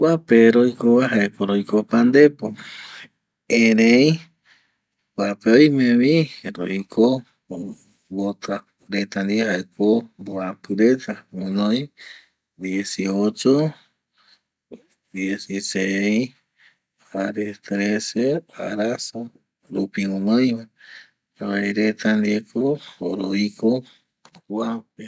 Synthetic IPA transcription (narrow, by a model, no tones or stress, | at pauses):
kʷapeɾojkoβaɦaepoɾojkopand̪epo | eɾej | kʷapeojmẽβiɾo̰iko | βot̪ʰa | ɾet̪and̪iaɦaekʰomboapɨɾet̪amõnõj | d̪jesiot͡ʃo | d̪jesisej | aɾet̪ɾesea̰ɾasa | ɾupiŋõnõjma | oaiɾet̪and̪iekʰooɾoiko | kwape